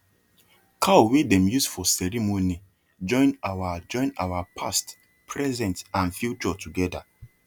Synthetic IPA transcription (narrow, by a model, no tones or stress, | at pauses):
kʰawedɛ̃mjusfɔsɛɹimoni | d͡ʒɔ̃ɪ̃nawad͡ʒɔ̃ɪ̃na̰wapʰa̰st | pʰɹɛzɛ̃ntãnfjut͡ʃɔtuɡɛda̰